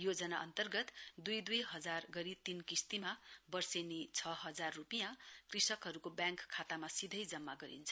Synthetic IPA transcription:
jod͡zʌnaʌ̰nt̪ʌrɡʌt̪d̪ujd̪ujɦʌd͡zarɡʌɾit̪inkist̪imabʌrsenit͡sʰʌɦʌd͡zarːupijãkrisʌkɦʌɾukobjãŋkʰːat̪amasid̪ʱʌjd͡zʌmːaɡʌɾḭnt͡sʰʌ

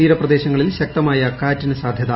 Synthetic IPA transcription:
iːɾɐprɐd̪eːɕɐŋːɐɭilɕɐk̚t̪ɐmaːjɐkaːtːinɨsaːd̪ʱjɐða

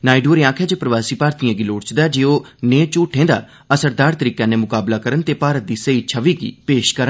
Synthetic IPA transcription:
naːiɖoːɾãːkʰɛːd͡ʒeːpɾəʋaːsiːpaːɾt̪ijãːɡiːloːɽt͡ʃd̪aːd͡ʒeːoːneːt͡ʃuːʈʰẽːd̪a̰ː | əsəɾd̪aːɾt̪əɾiːkãːnẽːmʊkaːblaːkəɾənt̪eːpaːɾət̪̚d̪iːseːiːt͡ʃʰəʋiːɡḭːpeːʃkəɾən

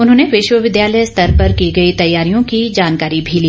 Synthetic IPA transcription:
ʊnɦõːneʋɪʃwəʋɪd̪jaːləjst̪ʰɐɾpɐɾkiɡɐit̪ɐjːaːɾijõkid͡ʒaːnkaːɾibʱiliː

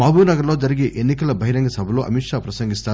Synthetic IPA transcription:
maːbʱuːnɐɡɐɾlo̞ːd͡ʒɐɾiɡeʔenːikɐlɐbʱɐɦiɾɐŋɡɐsɐbʱɐloːʔɐ̰mikʂaːpɾɐsɐŋɡist̪aː

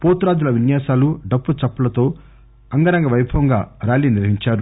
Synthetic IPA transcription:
poːt̪ɾaːd͡ʒulɐʋinjaːsaːluɖɐpːut͡ʃɐpːɐlɐt̪o̞ː | ɐŋɡɐɾɐŋɡɐʋɐjbʰʱɐʋɐŋɡaːɾaːliːniʋɐɦiɲt͡ʃaːɾu

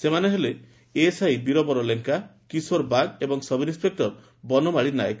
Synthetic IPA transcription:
semaneɦele | esajbiɾɔbɔɾɔleŋkakisoɾbaɡebɔŋsɔbinĩspek̚ʈɔɾ | bɔnɔmaɭinajk

